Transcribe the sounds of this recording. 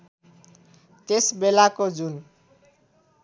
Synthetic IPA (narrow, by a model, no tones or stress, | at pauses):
t̪esbelakod͡zun